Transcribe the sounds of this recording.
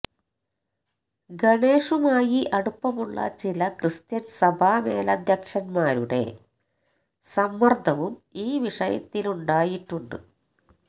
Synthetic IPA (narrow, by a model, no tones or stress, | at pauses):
ɡɐɳe̞ːʂumaːjiʔɐɽupːɐmuɭːɐ̰t͡ɕilɐkrɨst̪jɐnsɐbʱaːmeːlɐːd̪ʱjɐkʂɐnmaːɾuɽe̞̰ | sɐmːɐrd̪ʱɐʋumiːʋiʂɐjɐ̰t̪ːiluɳɖaːjiʈːuɳɖɨ̰